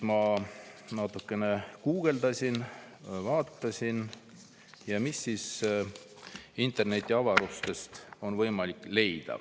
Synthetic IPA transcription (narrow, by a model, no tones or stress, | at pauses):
mɑ | nɑt̪ːˑukːˑe̞ne̞kuːɡ̥e̞ld̪ɑsʲin | vɑːt̪ːɑsʲin | jɑmisːiːs | int̪ˑe̞rne̞t̪ʲːˑiɑvɑɾust̪e̞st̪o̞nvɤjmɑlikːˑle̞jd̪̥ɑ̰